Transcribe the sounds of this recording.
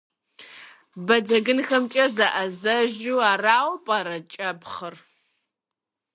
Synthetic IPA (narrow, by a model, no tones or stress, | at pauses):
bɐd͡zɐɡɨnxɐmt͡ʃʼɐzaʔɐzɐʒuwaːraːwpʼaɾɐt͡ʃʼɐpχər